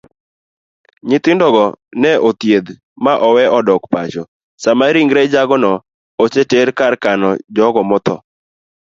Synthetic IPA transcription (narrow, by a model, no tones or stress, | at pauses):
ɲɪt̪ɪndɔɡɔnɛʔot̪jed̪ | maʔɔwɛɔdɔkpat͡ʃɔ | samaɾiŋɡɾɛd͡ʒaɡɔnɔ | ot͡ʃeteɾkarkanɔd͡ʒɔɡɔmɔt̪ɔ̰